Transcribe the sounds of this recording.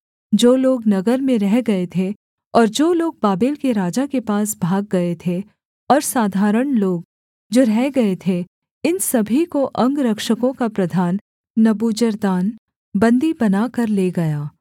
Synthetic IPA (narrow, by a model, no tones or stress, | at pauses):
d͡ʒoːloːɡnɐɡəɾmẽɾɛɦɡɐet̪ʰe | ɔːɾd͡ʒoːloːɡ̚baːbɪlkeɾaːd͡ʒakepaːsbʱaːɡ̚ːɐet̪ʰe | ɔːɾsaːd̪ʱaːɾəɽ̃loːɡ | d͡ʒoːɾɛɦɡɐet̪ʰe | ɪnsɐbʱikoʔɐ̃ŋɡɾɐkʃəkõkapɾɐd̪ʱaːnː | ɐbuːd͡ʒəɾd̪aːn | bɐ̃nd̪ibɐnaːkɐɾleːɡɐjaː